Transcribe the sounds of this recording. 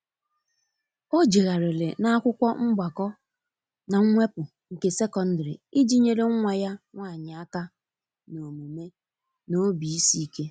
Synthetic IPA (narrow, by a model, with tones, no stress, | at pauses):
o˦d͡ʒe˨ɣa˨ɾɪ˨le˨na˦a˦kʷʊ˦kʷɔ˦ŋ͡m̩˦ɡ͡ba˨kɔ˦ | na˨ŋ̩˦ŋʷe˦pʊ˨ | ŋ̩˨ke˦se˦kɔ˨n̩˦dɾḭ˨i˦d͡ʒi˦ɲe˦ɾe˦ŋ̩˦ŋʷa˨ja˦ŋʷa˦˨ɲɪ˨a˦ka˦ | no˨mu˨me˦ | no˦bi˨i˦si˦i˦ke˦